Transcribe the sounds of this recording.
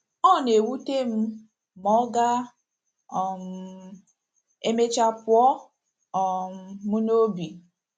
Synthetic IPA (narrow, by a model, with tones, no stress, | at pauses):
ɔ˦˨ne˨wu˦te˦m̩˦ | mɔ˦ɡa˦ | ɔ˨m̩˦ | e˦me˦t͡ʃa˦pʊ˦ɔ˦ | ɔ˨m̩˦mu˦no˦bi˨